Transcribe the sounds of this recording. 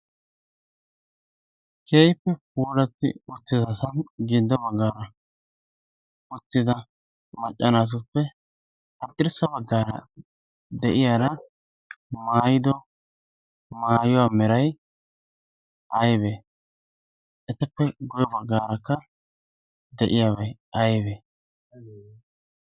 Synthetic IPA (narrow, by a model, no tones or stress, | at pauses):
kʰeːjɪpːɛpuːlɐt̪ːɪ̰ʊt̪ːɪzɐsɐnɡiːd̪ːɔbɐɡːaːɾɐ | ʊt̪ːɪzɐ | mɐt͡ʃʼːɐnaːs̬ʊpːɛ | hɐt̪ʼːɪɾsɐbɐɡːaːɾɐ̰ | d̪ɛʔɪjaːd̪ɐ | maːjɪd̪ɔ | maːjɔwaːmɛɾɐj | ʔɐjbe | ɛt̪ːɐpːɛɡɔjɔbɐɡːaːɾɐkːɐ | d̪ɛʔɪjaːbɐj | ɐjbeː